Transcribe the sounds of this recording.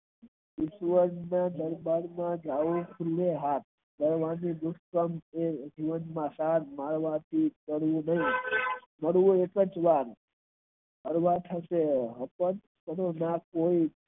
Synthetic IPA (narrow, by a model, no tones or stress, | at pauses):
ɪʃʋəɾnad̪əɾbaɾmãd͡ʒaokʰuleɦat̪̚ | d̪əɾʋanid̪ʊskəmed͡ʒiʋənmãsaɾmaɾʋãt̪ʰikəɽʋũnəɦĩ | məɽʋũekəd͡ʒʋaɾ | əɾʋat̪ʰəseɦəpən | kəɾonakoi